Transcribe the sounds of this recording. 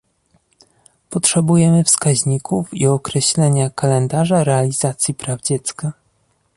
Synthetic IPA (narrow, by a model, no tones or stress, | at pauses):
pɔtʂɛbujɛmɘfskaʑɲikufiɔkɾɛɕlɛɲakalɛnd̪aʐaɾɛalʲizat̪sʲjipɾavd͡ʑɛt̪ska